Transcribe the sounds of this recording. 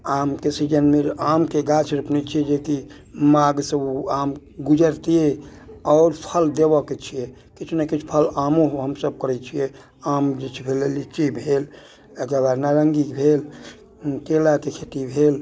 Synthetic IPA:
amkesid͡ʒənmeɾamkeɡat͡ʃʰɾəpnit͡ʃʰied͡ʒeki | maɡsəbam | ɡud͡ʒəɾt̪ieɔːɾpʰəld̪ebɔket͡ʃʰije | kit͡ʃʰnakit͡ʃʰpʰəlamoɦɦəmsəb̚kəɾɛt͡ʃʰije | amd͡ʒet͡ʃʰbʱelelit͡ʃibʱel | əɡəbaɾnaɾəŋɡikbʱel | t̪elakekʰet̪ibʱel

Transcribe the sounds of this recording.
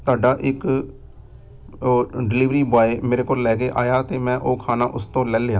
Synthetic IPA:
t̪ʊaːɖaːʔɪk | ɖɪliːʋɾiːbaːeːmeːɾeːkoːllɛːkeːʔaːjaːt̪eːmɛ̃ːʔoːkʰaːnaːʔʊst̪õːlɛːlejaː

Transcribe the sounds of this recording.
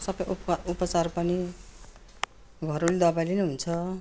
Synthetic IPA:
sʌbʌjpupʌt͡sarpʌni | bʱʌɾulid̪ʌbajlineɦunt͡sʰʌ

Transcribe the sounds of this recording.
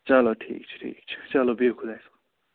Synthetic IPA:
t͡saloʈʰḭːk̚t͡sʰi̥ʈʰḭk̚t͡sʰi̥t͡salobikʰud̪ajsʰu̥

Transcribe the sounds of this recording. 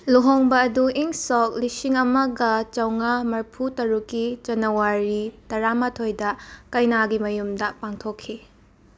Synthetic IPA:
luɦoŋbɐːduʔiŋsok̚lisiŋɐmɐɡɐt͡ʃɐwŋamɐɾpʰutɐɾukːid͡ʒɐnɐwaɾitɐɾamatʰojdɐkɐjnaɡimɐjumdɐpaŋtʰokʰːi

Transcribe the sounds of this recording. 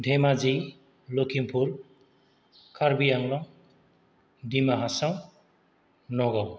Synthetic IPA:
d̪ʱemad͡zi | lokʰimpʰuɾ | kʰaɾbiaŋlʌŋ | d̪imaɦasaw | nɔɡʌw

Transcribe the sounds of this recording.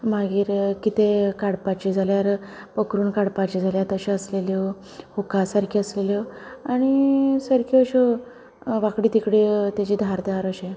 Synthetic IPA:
maɡiːɾkit̪ekaɽpat͡ɕid͡zʱaljaɾ | pəkɾuːnkaɽpat͡ɕid͡zʱaljat̪əɕẽəsleljɔ | hukasaɾkʰiəsleljɔaɽ̃isəɾkʰiəɕɔ | ʋakɽiːt̪ikɽet̪jat͡ɕiːd̪ʱaɾd̪ejaɾəɕe

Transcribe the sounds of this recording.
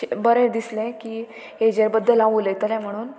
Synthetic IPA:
bəɾẽd̪islẽkiː | ed͡ʑeɾbəd̪ʱːəlaʋulet̪əɾɛ̃m̤əɽ̃uːn

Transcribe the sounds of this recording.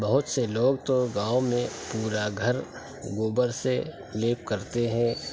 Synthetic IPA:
bɐɦʊt̪seloːɡ̚t̪oɡãːomẽpuːɾaɡʱɐɾ | ɡoːbəɾse | leːp̚kɐɾt̪eɦɛ̃ː

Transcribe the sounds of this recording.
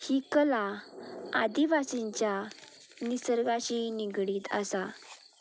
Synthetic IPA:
hiːkəla | ad̪iʋasiɲt͡ɕja | nisəɾɡaɕiniɡɽiːt̪a̰sa

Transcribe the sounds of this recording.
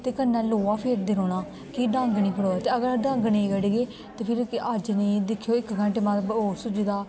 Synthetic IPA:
t̪eːkənːɛːloːaːpʰeːɾd̪eːɾoːnaː | kiːɖãːŋɡniːpʰəɽoːɛːt̪eːəɡəɾɖãːŋɡnĩːɡəɽiɡeː | t̪eːpʰɪɾəd͡ʒniːd̪ɪkʰːjoːɪkɡə̃ɳʈeːmaboːsʊd͡ʒd̪aː

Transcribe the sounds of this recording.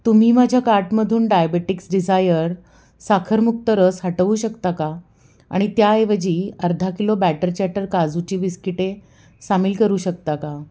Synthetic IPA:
t̪um̤iːmad͡ʑʱjakaɾʈməd̪ʱuːnɖajabeʈiksɖid͡zajəɾ | sakʰəɾmuk̚t̪əɾəsɦaʈəʋuːɕəkt̪aka | a̰ɽ̃it̪jaeʋəd͡ʑiːəɾd̪ʱakilobæʈəɾt͡ɕɛʈəɾkad͡zut͡ɕiːʋiskiʈe | samilkəɾuːɕək̚t̪aka

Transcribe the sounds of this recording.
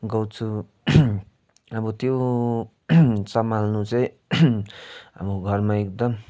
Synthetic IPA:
ɡʌwt͡sʰu | ʌbʌt̪jo | sʌmalnut͡sʌĩ | a̰boɡʱʌrmaekd̪ʌm

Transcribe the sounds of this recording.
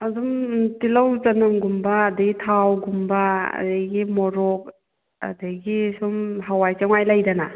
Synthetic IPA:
azumtilawt͡ʃanamɡumbaːdaɡitʰawɡumbaɐ̰daɡimɔɾɔk̚ | a̰daɡisumɦawajt͡ʃaŋwajlajdana

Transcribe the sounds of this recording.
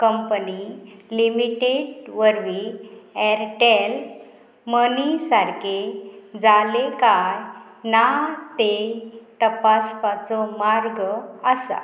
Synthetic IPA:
kəmpənilimiʈeɖʋəɾʋiɛɾʈel | mənisaɾked͡zalekaj | nat̪et̪əpaspat͡sɔmaɾɡəsa̰

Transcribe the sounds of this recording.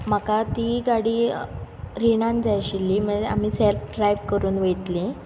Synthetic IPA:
m̤əkat̪iːɡaɽiː | ɾiɳãnd͡zajɕilːiːməd͡zea̰m̤iːselfɖɾajʋkəɾuːnʋet̪lĩ

